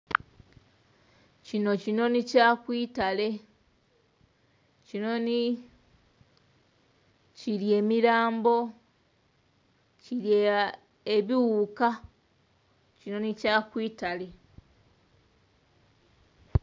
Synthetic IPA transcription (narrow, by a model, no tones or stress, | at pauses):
cino̞cino̞nicakwiːtale̞ | cino̞ni | ciɾje̞ːmiɾaːmbo̞ | ciɾje | eβiwuka | cino̞nicakwiːtale̞